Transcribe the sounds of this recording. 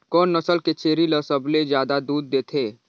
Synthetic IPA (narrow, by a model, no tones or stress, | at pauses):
kɔːnːɐsəlket͡ʃeːɾiləsəbled͡ʒjaːd̪ad̪uːd̪̚ːeːt̪ʰeː